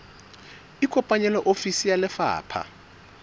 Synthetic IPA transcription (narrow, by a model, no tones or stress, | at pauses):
ikʰʼɔpʼaɲɛlɔʔofisijalɛfa̰ːpʰa̰